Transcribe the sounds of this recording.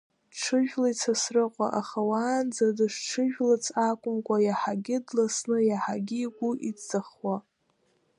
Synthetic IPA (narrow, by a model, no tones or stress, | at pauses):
ʈ͡ʂʰɨʒᶣlajt͡sʰasrɨqʷʼa̰ʔaχawaːnd͡zadɨʂʈ͡ʂʰɨʒᶣlat͡sʰʼakʷʼʊmkʷʼajaħaɡʲɪdlasnɨjaħaɡʲɪɡʷuʔit͡saχwa